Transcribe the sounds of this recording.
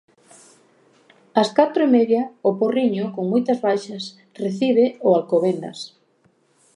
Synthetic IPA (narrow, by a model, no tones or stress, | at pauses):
askat̪ɾʊemeðjɐʊporiɲʊkoŋmojt̪ɐzβajʃɐs | reθiβ̞eʊalkoβend̪ɐ̰s